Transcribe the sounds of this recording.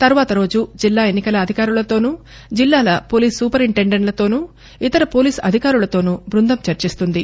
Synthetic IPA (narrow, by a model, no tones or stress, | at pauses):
t̪ɐɾuʋaːt̪ɐɾo̞ːd͡ʒud͡ʒilːaːe̞nːikɐlɐːd̪ʱikaːɾulɐt̪o̞ːnu | d͡ʒilːaːlɐpo̞ːliːsːuːpɐɾiɳʈeɳɖeɳʈlɐt̪o̞ːnu | it̪ɐɾɐpo̞ːliːsɐ̰d̪ʱikaːɾulɐt̪o̞ːnubɾund̪ʱɐmt͡ʃɐɾt͡ʃist̪und̪i